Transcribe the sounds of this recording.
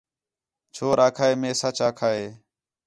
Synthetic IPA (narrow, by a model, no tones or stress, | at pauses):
t͡ʃʰoːɾaːkʰaːeːmẽːsat͡ʃaːkʰaːeː